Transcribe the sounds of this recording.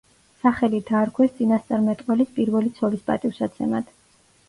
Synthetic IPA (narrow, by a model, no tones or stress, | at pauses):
saχɛlid̪aːɾkʰwɛst̪sʼinast̪sʼaɾmɛt̪ʼqʼɛlispʼiɾvɛlit̪sʰɔlispʼa̰t̪ʼifsat̪sʰɛmad̪̥